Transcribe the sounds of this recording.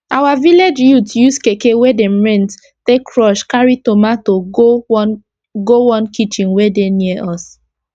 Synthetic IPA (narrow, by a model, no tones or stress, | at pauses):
awaviled͡ʒjutjuskekewedɛ̃mɹɛ̃nt | tekʰɹɔʃkaɹitomatoo | ɡowɔ̃nkit͡ʃĩnwedeniʔɔs